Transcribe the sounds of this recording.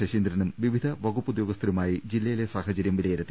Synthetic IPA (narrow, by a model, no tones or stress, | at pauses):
ɐʂiːnd̪ɾɐnumʋiʋid̪ʱɐʋɐɡupːud̪jo̞ːɡɐst̪ʰɾumaːjid͡ʑilːɐjilesaːhɐt͡ɕɐɾjɐmʋilɐjɐɾɐt̪ːi